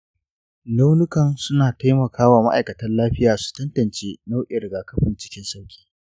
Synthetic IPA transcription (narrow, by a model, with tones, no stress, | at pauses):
na˦wnʊ˦kɐ˨nsʊ˦naː˨ta˦jmɐ˨kʰaː˦waː˨ma̰˦ʔa̰˨jkɐ˨tɐ˦nlaː˦ɸɪ˦jaː˨su̥˨tɐ˦ntɐ˨nt͡ʃeː˦na˦wʔɪ˨ɾɡaː˨kɐ˦ɸɪ˨nt͡ʃɪ̥˦kʲɪ˦nsa˦wkʲʼi̥ː˦